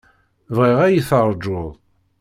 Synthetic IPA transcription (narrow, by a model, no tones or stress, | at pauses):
vʁiʁæjiθəɾˤd͡ʒʊðˤ